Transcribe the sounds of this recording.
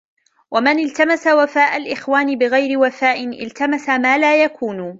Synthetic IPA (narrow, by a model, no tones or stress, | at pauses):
wʔamanɪlt̪amasawafaːʔalʔɪxwaːnɪbɪɣajɾɪwafaːʔɪnʔɪ̰lt̪amasamaːlaːjakʰuːn